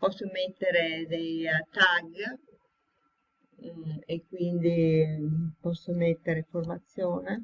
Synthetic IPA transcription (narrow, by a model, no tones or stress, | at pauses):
pɔsːomet̪ːeɾed̪ejat̪ːaɡ | ekːwind̪i | pɔsːomet̪ːeɾeformat̪sːjɔːne